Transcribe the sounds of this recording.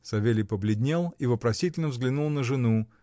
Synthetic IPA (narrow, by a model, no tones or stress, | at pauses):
sɐvʲelʲɪpəblʲɪdʲnʲelˠivəpɾɐsʲitʲɪlʲnəvzɡlʲɪnulˠnəʐɨnu